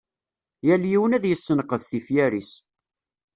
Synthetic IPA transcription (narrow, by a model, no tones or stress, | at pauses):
jæljiwənæðjəsːənəqəðθifjæɾis